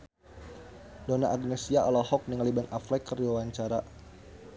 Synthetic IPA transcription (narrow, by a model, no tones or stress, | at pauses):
donaʔːɡnɛsiaʔɔlɔhɔk̚niŋalibanaflɛkːərawaɲt͡ʃaɾa